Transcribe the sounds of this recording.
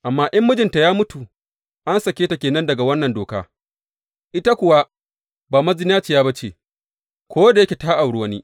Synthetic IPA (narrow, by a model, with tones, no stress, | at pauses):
ʔa˨mːaː˦ʔɪ˦mːʊ˦d͡ʒɪ˨nta˨jaː˦mʊ˦tu˨ | ʔa˦nsɐ˨kʲeː˦ta˨kʲeː˨nɐ˦ndɐ˨ɡa˨wɐ˦nːɐ˨ndoː˨kaː˦ | ʔɪ˦ta˦kʷʊ˨wa˦ | baː˨mɐ˦zɪ˦naː˦t͡ʃi˨jaː˦ba˦t͡ʃeː˨ | kʷoː˦da˨jɐ˦kʲe˨taː˦ʔa˨wɽu˦wɐ˦niː˦